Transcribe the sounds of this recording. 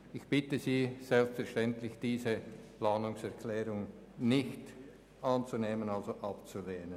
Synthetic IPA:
ɪçb̥ɪtəziːz̥ɛlpstfɛʁʃtɛntlɪçd̥iːzəplɑːnʊŋsɛɐkʰlɛːɾʊŋ | nɪçt | ʔɑnt͡suneːmənɑlzoʔɑpt͡suleːnən

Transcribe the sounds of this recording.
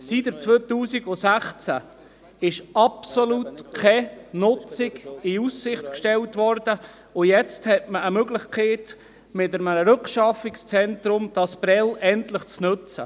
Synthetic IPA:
sitət͡sʋøːt̪uːsɪɡʊsæχt͡sæ̰ | ɪʃɑpsolutkʰɛnʊt͡sɪɡɪusːɪχtkʃtɛltʋɔɾd̥ə | ʊjɛt͡sthɛtməəmøɡlɪχkʰeːt | mɪtəɾmənəɾɵkʃɑfɪkst͡sɛntɾʊmd̥ɑsb̥ɾɛlɛntləχt͡snɵt͡sə

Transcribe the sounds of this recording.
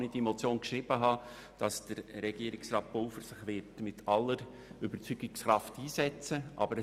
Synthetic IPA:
nid̥imɔt͡sjoːnkʃɾɪb̥əɦɑ | d̥ɑsd̥əɾːɛɡiəɾɪksrɑːt̚b̥olfəɾsɪχʋɪtmɪtʰɑlːəɾ | ʏbəɾt͡syɡɪksχrɑftiːsɛt͡səʔɑ̰bəɾə

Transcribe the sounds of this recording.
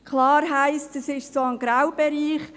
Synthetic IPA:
kʰlɑːɾɦæɪst̚d̥əsɪʃsoənɡ̥ɾawb̥ɛɾiːχ

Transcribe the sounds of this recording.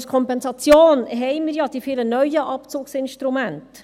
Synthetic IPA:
skʰɔmpɛnsɑt͡sjoːnɦɛjmɪːɾjɑd̥̪ifɪlənœjəʔɑpt͡suːksɪnʃtɾumænt

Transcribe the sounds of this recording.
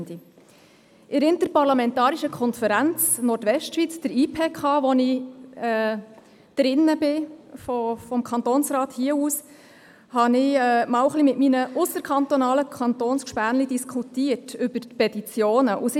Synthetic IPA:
di | ʔɪɾɪntəɾpɑɾlɑmɛntɑːɾiʃəkʰɔnfəɾænt͡snɔɾtʋɛʃtʃʋit͡sd̥əɾiːpʰeːkʰɑːʋɔnɪɛ | d̥ɾɪnːəbɪfɔfɔmkʰɑnt̪oːnsɾɑːthiəuːs | hɑnɪɛmɑːwəχlimɪtminəʔʊsəɾkʰɑnt̪onɑːləkʰɑnt̪oːnskʃpæːnlid̥iskʰutiətʉb̥əɾpɛtit͡sjoːnəʔusɪ

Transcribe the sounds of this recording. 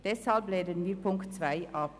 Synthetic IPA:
d̪̥ɛshɑlp̚bleɪd̪eːnyːpʰʊŋkt̪sʋæɪʔɑːp

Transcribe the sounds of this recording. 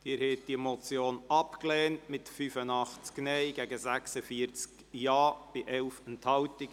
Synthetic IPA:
d̥ɪːɾhɛːt̚d̥imot͡sjoːnɑpklɛːntmɪtfyfənɑχt͡sknɛɪɡɛɡəzæksəfiəɾt͡sk | jɑːb̥ɪʔɛlfɛnthɑltɪk

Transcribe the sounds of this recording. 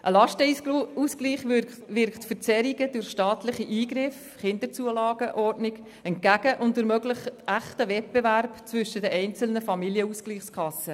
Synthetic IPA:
ʔəlɑʃtəuskliːχ | vɪɾkχtfəɾt͡sɛɾiɡəd̥ʊrχʃtɑːtlɪχiʔiːɡɾɪf | χɪnd̪əɾt͡suəlɑːɡ̥əʔɔrdnɪɡ | ɛnt̚ɡæɡ̥əʔʊntdʊɾmœɡlɪχæχtəvɛt̚b̥ɛvæɾpt͡svʏʃədɛʔɛɪnt͡sl̩nəfɑmiljəuskliːχskʰɑsə

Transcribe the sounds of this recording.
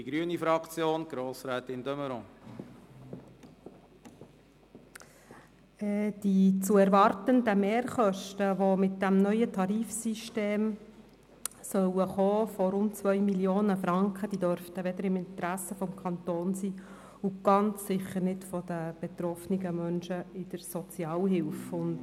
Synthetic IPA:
iɡ̥ɾyənifɾɑkt͡sjoːnɡ̥ɾoːsɾɛːt̪ɪndœməɾɔ̃ː | ɛd̥it͡suɛɾʋɑɾtəndəmeːɾχœʃtəʋomɪt̚d̥æmnœʏətʰɑɾiːfsiʃteːm | sœwəχɔːfɔɾʊntt͡sʋœʏmiljoːnəfɾɑŋkχəd̥id̥œɾftəʋɛd̪əɾɪmɪnt̪ɾæsəfɔmkʰɑnt̪oːnsiː | uɡ̥ɑnt͡ssɪχəɾnɪtfɔd̥̪əb̥et̪ɾɔfniɡəmœnʃəɪd̥əɾsɔt͡sjɑːlɦɪlfʊnd

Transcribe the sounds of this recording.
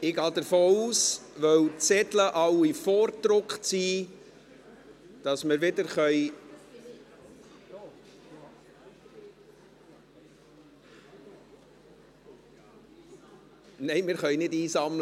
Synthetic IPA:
ɪɡɑːdəɾfoːuːsʋœwt͡sɛtləʔɑwifɔːrtɾʊkχt͡siː | d̥ɑsməɾʋɪdəɾχœʏ | nɛɪmɪɾχœʏnɪdiːsɑmlə

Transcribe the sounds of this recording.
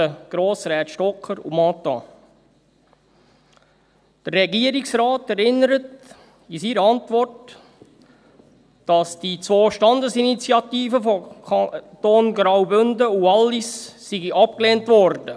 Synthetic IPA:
əɡ̥ɾoːsɾɛːt̪ʃtɔkχəɾṵmɑtːɑ̰ | d̥ərːɛɡiəɾiksɾaːtɛɾɪnːəɾət | isiɾəɑntʋɔrt | d̥ɑsd̥it͡sʋoːʃtɑndəsinit͡sjɑt̪iːfəfɔ | toːnɡɾawbɵndəuɑlːisːiɡiʔɑp̚kleːntʋɔrdə

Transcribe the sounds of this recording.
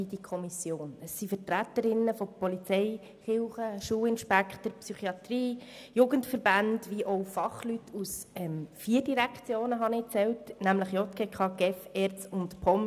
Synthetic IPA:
id̥ikʰɔmisjoːnəsːifətɾæt̪əɾɪnːəfopɔlit͡sɛɪ | χɪlχəʃuːlɪnʃpækχtəɾpsyχiɑt̪riː | juːɡəntfəɾb̥ændʋiʔɔʊfɑχlytʰusɛmfiːɾdiɾækχt͡sjoːnəɦɑnɪt͡sɛltnæmləχjɔt̪kekʰɑɡ̥ɛfɛɾt͡sʊntpʰɔm

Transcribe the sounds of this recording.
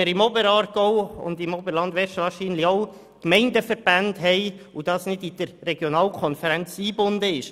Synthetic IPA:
əɾɪmɔbəɾɑːɾɡoʊʊ̰ndɪmɔbəɾlɑndʋɛɾʃəʋɑːɾʃiːnlɪçoʊ | kmɛɪndəfəɾb̥ændɦɛɪud̥ɑsnɪdid̥əɾːɛɡjonɑːlkʰɔnfəɾɛnt͡siːbʊndəɪʃ

